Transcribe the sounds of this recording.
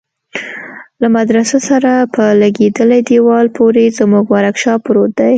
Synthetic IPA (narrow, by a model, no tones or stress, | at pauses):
lamad̪ɾasasaɾapʰəlaɡed̪əlajd̪ewɑlpʰoɾezmuɡwaɾakʃɑpɾot̪̚d̪aj